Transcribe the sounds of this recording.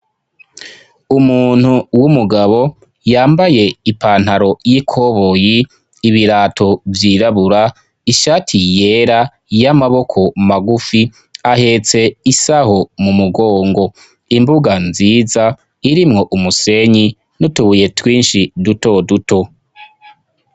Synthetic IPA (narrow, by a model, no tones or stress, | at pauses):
umuːn̥huwumuɡaβo̞ | jaːmbaje̞ipaːn̥haɾo̞jikʰo̞βo̞jiː | βiɾaːtʰo̞vjiɾaβuɾa | iʃaːtʰije̞ɾa | jamaβo̞kʰo̞maɡufi | ahe̞t͡se̞isaho̞mumuɡoːŋɡo̞ | imbuɡanziːza | iɾimŋo̞ʔumuse̞ɲi | nutuβuje̞twiːnʃiduto̞duto̞